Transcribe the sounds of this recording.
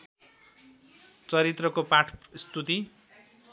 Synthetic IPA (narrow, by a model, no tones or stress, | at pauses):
t͡sʌɾit̪rʌkopaʈʰst̪ut̪i